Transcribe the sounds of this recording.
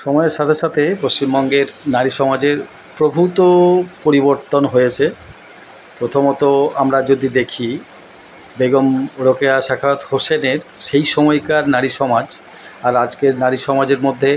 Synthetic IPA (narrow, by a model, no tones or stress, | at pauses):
ʃɔmɔeɾʃat̪ʰeʃat̪ʰepoʃt͡ɕimbɔŋɡeɾnaɾiʃɔmad͡ʑeɾ | pɾobʱut̪opoɾiboɾt̪onɦojet͡ɕʰe | pɾot̪ʰomot̪oamɾad͡ʑod̪id̪ekʰi | beɡomɾokeaʃakʰaot̪hoʃeneɾʃejʃɔmɔjkaɾnaɾiʃɔmad͡ʑ | aɾad͡ʑkeɾnaɾiʃɔmad͡ʑeɾmod̪ʱːe